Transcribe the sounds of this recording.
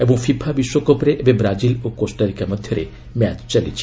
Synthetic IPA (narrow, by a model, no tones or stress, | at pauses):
ebɔŋfʰibʱʰabiʃwɔkɔpɾeʔebebɾad͡ʒilokosʈəɾikamad̪ʱjɔɾḛ | mɛt͡ʃt͡ʃalit͡ʃʰi̥